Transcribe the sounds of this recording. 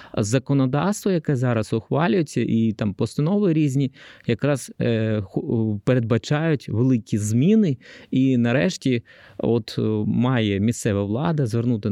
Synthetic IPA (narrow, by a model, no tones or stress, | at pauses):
zɐkɔnɔd̪ɑwst̪ʋɔjɐkɛzɑɾɐsʊxʋɑlʲʊjet͡sʲːɐʔit̪ɑmpɔst̪ɐnɔʋɪɾʲizʲnʲijɐkɾɑzxpeɾed̪̚bɐt͡ʃɑjʊtʲʋelˠɪkʲizmʲinɪinɐɾɛʃtʲiɔt̪mɑjɛmʲist̪sɛʋɐʋlˠɑd̪ɐzʋernut̪ɪ